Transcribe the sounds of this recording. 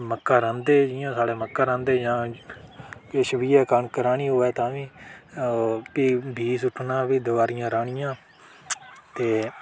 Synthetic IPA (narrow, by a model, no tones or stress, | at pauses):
məkːãːɾãːnd̪eːd͡ʒɪjãːsaːɽeːməkːaːɾãːnd̪eːd͡ʒãː | kɪʃʋiːɛːkəɳkəɾaːɳiːɦʊːɛːt̪ãːʋiː | piːbʱiːsʊʈʰːnãːbiːd̪ʊʋaːɾɪjãːɾaːɳɪjãː | t̪eː